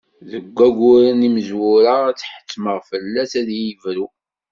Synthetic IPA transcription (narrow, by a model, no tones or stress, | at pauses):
ðəɡʷːæɡʷʊɾəniməzwʊɾaæt͡sːħə̥t͡sːməʁfəlːæsæðjəvɾu